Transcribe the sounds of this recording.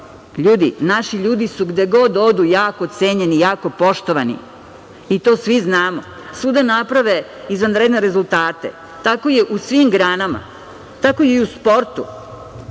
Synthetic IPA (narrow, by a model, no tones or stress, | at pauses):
ʎuːd̪ḭnaʃiʎuːd̪isuɡd̪eɡo̞d̪od̪ujaːkoːt̪seːɲenijaːko̞po̞ʃt̪oʋanḭ | it̪o̞ːsʋiznaːmo̰ | sud̪anapɾaʋe | izʋanɾed̪neɾe̞zulˠt̪aːt̪ḛ | t̪ako̞je̞ʔusʋimɡɾaːnama̰ | t̪ako̞jeuspo̞ɾt̪u